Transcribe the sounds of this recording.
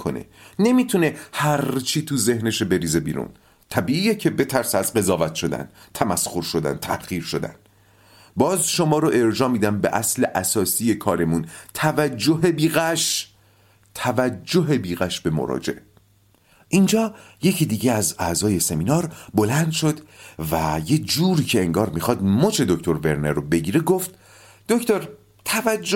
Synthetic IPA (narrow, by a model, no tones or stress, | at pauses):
kʰo̰nḛne̞miːt̪ʰune̞hæɾt͡ʃʰiːt̪ʰuze̞hne̞ʃebe̞ɾiːze̞bḭːɾṵn | t̪ʰæbiːiːjecʰe̞be̞t̪ʰæɾsæzɢe̞zɒːvæt̪ʰʃo̞d̪æ̰nt̪ʰæmæsxoɾʃod̪æ̰nt̪ʰæhɢ̥iːɾʃo̞d̪æ̰n | bɒːzʃomɒːɾoʔe̞ɾd͡ʒɒːmiːd̪æmbe̞̰ʔæsle̞ʔæsɒːsije̞kʰɒːɾe̞munt̪ʰævæd͡ʒːoɦe̞biːɣæʃ | t̪ʰævæd͡ʒd͡ʒːoɦe̞biːɣæʃbe̞mo̰ɾɒ̰d͡ʒḛʔe | ʔind͡ʒɒːje̞cʰiːd̪iːɟeæzæzɒːje̞se̞miːnɒːɾbo̞lænd̪̥ʃo̞d̪væjed͡ʒuːɾiːcʰe̞eŋɡɒːɾmixɒːd̪mot͡ʃʰe̞d̪ocʰt̪ʰo̞ɾve̞ɾneɾobe̞ɟiːɾeɡoft̪ | d̪̥oct̪oɾ | t̪ʰævæd͡ʒː